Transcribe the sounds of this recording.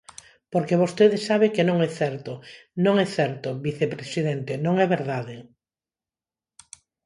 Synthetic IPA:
poɾkeβost̪eðɪsaβekenõŋɛθɛɾt̪onõŋɛθɛɾt̪ʊβiθepɾesiðɛnt̪ɪnõŋɛβeɾðaðɪ

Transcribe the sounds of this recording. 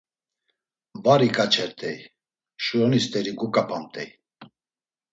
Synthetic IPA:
vaɾikʼat͡ʃʰɛɾt̪ʰʼɛj | ʃujɔnist̪ʼɛɾiɡukʼapʰamt̪ʼɛj

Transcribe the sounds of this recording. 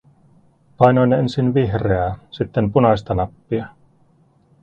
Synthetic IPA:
pɑjnojne̞nsinʋiɦreɑsit̪ːempunɑst̪ɑnɑpːiɑ

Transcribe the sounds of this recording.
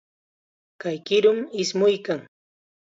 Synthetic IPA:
kajkɪɾʊmɪsmʊjkaŋ

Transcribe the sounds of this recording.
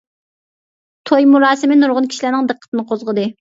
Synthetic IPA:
t̪ʰojmuɾɑːsɪmɪnuɾʁʊnkʲʰi̥ʃilænɪŋd̪ɨqʰːət̪ɨnɨqʰozʁəd̪ɨ

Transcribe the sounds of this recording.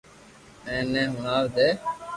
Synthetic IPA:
ɛ̃ːnẽːɦʊɳaːʋd̪eː

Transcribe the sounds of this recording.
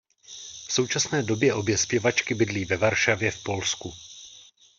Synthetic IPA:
fso̞wt͡ʃasnɛːdo̞bjɛʔo̞bjɛspjɛvat͡ʃkɪbɪdliːvɛvaɾʃavjɛfpo̞lsku

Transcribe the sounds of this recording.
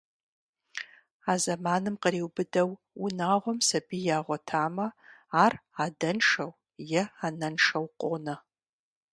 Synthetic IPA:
aːzɐmaːnɨmqəɾiːwbɨdɐw | unaːʁʷɔmsɐbijaːʁʷɔtʰaːmɐaːraːdɐnʂɐw | jɛaːnɐnʂɐwqʷʼonɐ

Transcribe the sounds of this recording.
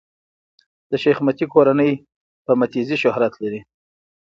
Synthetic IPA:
d̪̥əʃexmat̪ikoɾanəj | pəmat̪iziʃʊhɾat̪laɾi

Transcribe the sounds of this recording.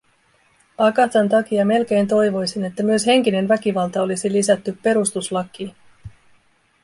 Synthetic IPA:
ɑkɑt̪ɑnt̪ɑk̟iɑme̞lk̟e̞jnt̪o̞jʋo̞jsine̞t̪ːæmyøshe̞ŋk̟ine̞nʋæk̟iʋɑlt̪ɑolisilisæt̪ːypːe̞ɾust̪uslɑkːˑiː

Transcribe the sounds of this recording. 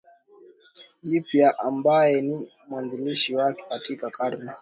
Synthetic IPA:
ʄipjaʔambajɛni | mwanziliʃiwakɛ̥katikakaɾna

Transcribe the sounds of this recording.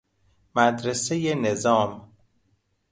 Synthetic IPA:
mæd̪ɾesejenezɒːm

